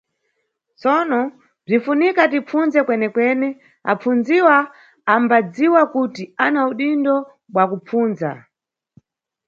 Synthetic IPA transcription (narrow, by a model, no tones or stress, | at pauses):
t͡sɔnɔ | b͡ʐifunikatip͡funzɛkwɛnɛkwɛnɛ | a̰p͡fund͡ziwaː | mbad͡ziwakutianauɗindɔ | ɓwakup͡fuːnza̰